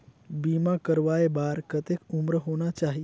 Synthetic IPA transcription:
biːmakəɾʋaebaɾkət̪ekumɾəɦoːnat͡ʃaɦi

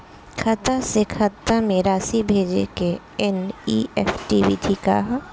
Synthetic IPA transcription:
kʰɐt̪asekʰɐt̪ːameɾaːsibʱeːd͡ʒḛke | ɛniːɛfʈiːʋiʈʰika̰ɦ

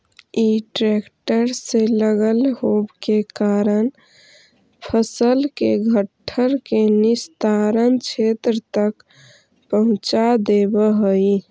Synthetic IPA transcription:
iʈɾekʈəɾseləɡəlɦobkekaɾən | pʰəsəlkeɡʱəʈʰːəɾkenist̪aɾənt͡ʃʰet̪ɾət̪ək | pəɦʊ̃t͡ʃad̪ebəɦəi

